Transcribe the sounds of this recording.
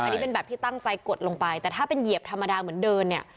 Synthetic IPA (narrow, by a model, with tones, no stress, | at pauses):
ni˦n˥pe˧nbɛː˨˩p̚t̪ʰiː˥˩t̪a˥˩ŋt͡ɕa˧jko˨˩t̪̚lo˧ŋpa˧jt̪ɛː˨˩t̪ʰaː˥˩pe˧nji˨˩əp̚t̪ʰa˧mːa˧daː˧mɯ˩˦əndɤː˧nːi˥˩ɐ